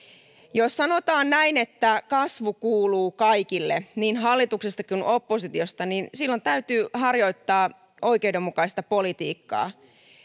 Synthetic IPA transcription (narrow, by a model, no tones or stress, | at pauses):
jossɑno̞t̪ɑːnnæine̞t̪ːækɑsʋukuːluːkɑjkilːeniːnɦɑlːit̪uksest̪ɑkunʔo̞pːosit̪io̞st̪ɑninsilːo̞nt̪æyt̪yːhɑrjo̞it̪ːɑː | ʔo̞ikeude̞mːukɑist̪ɑpo̞lit̪ḭːkːɑ̰ː